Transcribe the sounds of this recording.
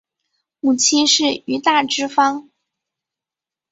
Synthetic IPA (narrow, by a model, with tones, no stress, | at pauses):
mu˨˩t͡ɕʰi˥nʂɻ̩˥˩y˧˥t̪a˥˩ʈ͡ʂɻ̩˥fɑ˥ŋ